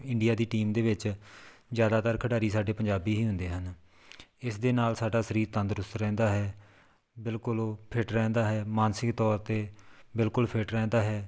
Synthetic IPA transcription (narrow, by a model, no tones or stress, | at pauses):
ɪɳɖijaːd̪iːʈiːmd̪eːʋɪt͡ʃzjaːd̪aːt̪əɾkʰəɽaːɾiːsaːɖeːpəɲd͡ʒaːbiːɦiːɦʊ̃nd̪eːɦən | ɪsd̪eːnaːlsaːɖaːsəɾiːɾt̪ə̃nd̪əɾʊst̪ɾɛ̃ːnd̪aːɦɛː | bɪlkʊlpʰɪʈɾɛ̃ːnd̪aːɦɛːmaːnsɪkt̪ɔːɾt̪eːbɪlkʊlpʰɪʈɾɛ̃ːnd̪aːɦɛː